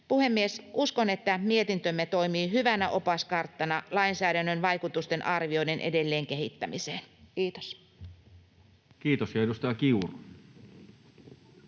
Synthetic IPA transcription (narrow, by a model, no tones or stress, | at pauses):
puhe̞mːiesʔusko̞ne̞t̪ːæmie̞t̪int̪ømːet̪o̞imiːɦyʋænæʔopɑskɑrt̪ːɑnɑlɑinsæːdænːønʋɑjkut̪ust̪e̞nʔɑrʋiojde̞nʔḛde̞lːeːŋk̟eɦit̪ːæmiseːnkiːt̪os | kiːt̪osjɑeust̪ɑjɑkiuru